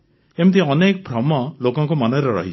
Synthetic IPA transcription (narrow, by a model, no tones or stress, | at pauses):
emt̪iɔnek̚bʱɾɔmɔlokɔŋkɔmɔnɔɾɔɾɔ̰ɦit͡ʃʰ